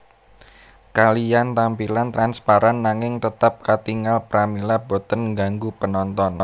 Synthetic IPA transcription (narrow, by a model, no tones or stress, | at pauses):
kalijant̪ampilant̪ɾanspaɾanːaŋɪŋt̪ət̪ap̚kat̪iŋalpɾamilabo̤t̪ənŋɡaŋɡupənɔnt̪ɔn